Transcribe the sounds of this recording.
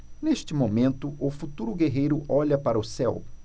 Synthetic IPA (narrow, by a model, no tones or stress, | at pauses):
neʃt͡ʃɪmomẽnt̪ʊʔʊfut̪uɾʊɡeɦejɾʊʔɔʎɐpaɾɐʊsɛw